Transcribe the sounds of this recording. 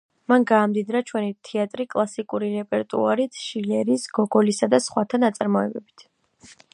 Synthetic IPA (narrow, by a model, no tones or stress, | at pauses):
manɡaːmd̪id̪ɾat͡ʃʰwɛnit̪ʰɛat̪ʼɾikʼlˠasikʼuɾiɾɛpʼɛɾt̪ʼṵaɾit̪ʰʃilɛɾisɡ̥ɔɡɔlisad̪asχwat̪ʰanat̪sʼaɾmɔɛbɛbi̥t̪ʰ